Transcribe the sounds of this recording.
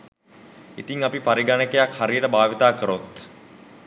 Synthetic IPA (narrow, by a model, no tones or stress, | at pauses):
it̪iŋapipaɾiɡanəkəjakhaɾijəʈəbaːʋit̪aːkəɾot̪